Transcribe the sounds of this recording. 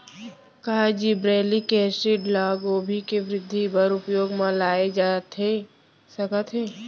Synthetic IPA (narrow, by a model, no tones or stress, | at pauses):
kɐɦad͡ʒiːbɾɛːlikeːsɾiɖlaːɡoːbʱikeʋɾɪd̪ʱːibɐɾʊpjoːɡmãlaːed͡ʒat̪e | sɐkət̪ʰɦeː